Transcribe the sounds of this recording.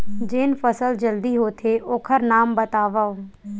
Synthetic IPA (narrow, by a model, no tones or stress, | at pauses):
d͡ʒeːnpʰəsəld͡ʒəld̪iːɦoːt̪ʰeːʔoːkʰəɾnaːmbət̪aːʋaoː